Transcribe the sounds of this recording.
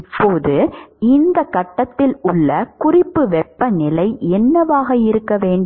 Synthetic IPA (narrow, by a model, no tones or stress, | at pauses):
pːoːðɯɪnd̪ɐkːɐʈːɐt̪ːɪlʊɭːɐkʊrɪpːɯʋɛpːɐnɪlɐɪɛnːɐʋaːɣɐɪɾɯkːɐʋeːɳɖ